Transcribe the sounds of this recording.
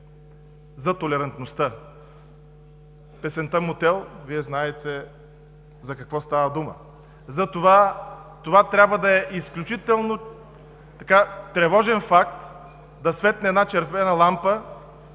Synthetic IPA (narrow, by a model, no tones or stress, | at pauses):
zɐt̪olɛɾɐnt̪nost̪ə | pɛsɛnt̪əmot̪ɛlˠviɛznaɛt̪ɛ | zɐkɐkvɔst̪avɐd̪umə̰ | zɐt̪ovat̪ovat̪ɾʲabvəd̪ɐɛʔisklʲut͡ʃit̪ɛlˠno | t̪ɐkat̪ɾɛvɔʒɛnfak̚t̪ | d̪ɐsvɛt̪nɛːd̪nat͡ʃɛɾvɛnəlˠampə